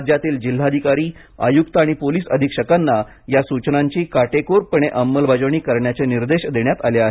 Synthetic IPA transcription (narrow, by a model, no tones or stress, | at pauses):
d͡ʑjat̪iːld͡ʑil̤ːad̪ʱikaɾiː | ə̰jukt̪aɽ̃ipoliːsə̰d̪ʱikʂəkanːa | jasut͡ɕnaɲt͡ɕiːkaʈekoɾpəɳ̃eʔəmːəlbad͡zəʋɳ̃iːkəɾɳjat͡ɕeniɾd̪eɕd̪eɳjat̪aleaɦe